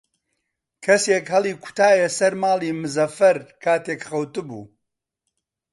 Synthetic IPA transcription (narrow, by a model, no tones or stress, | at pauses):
kʰɐseːkhɐlˠiːkʊ̥t̪ʰaːjesɐɾmaːliːmɨzɐfɐɾkʰaːt̪eːkχɐwt̪ɨbṵː